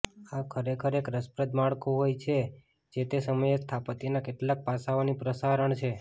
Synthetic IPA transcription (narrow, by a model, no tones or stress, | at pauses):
akʰəɾekʰəɾekɾəspɾəd̪maɭkoɦojt͡ʃʰe | d͡ʒet̪esəməjest̪ʰapət̪inakeʈlak̚pasaonipɾəsaɾəɳt͡ʃʰe